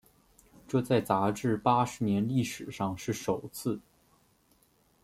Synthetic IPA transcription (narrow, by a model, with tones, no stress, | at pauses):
ʈ͡ʂɤ˥˧t͡sa˥˩ɪt͡sa˧˥ʈ͡ʂɻ̩˥˩pa˥ʂɻ̩˧˥njɛ˧˥nli˥˩ʂɻ̩˨˩ʂɑ˥˧ŋʂɻ̩˥˩ʂo˨˩ʊt͡sʰɹ̩˥˩